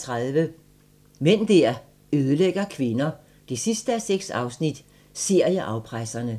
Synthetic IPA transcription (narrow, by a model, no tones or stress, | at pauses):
t͡sʰʁaðˠʋə | men̰d̥æɐ̰ | øːð̞ˠəleɡ̥ɐkʰʋe̝nɐ | d̥e̝sisd̥əæseɡ̥sɑ̈ʊsnid̥ | seɐ̰jɑʔɑ̈ʊpʰʁasɐnə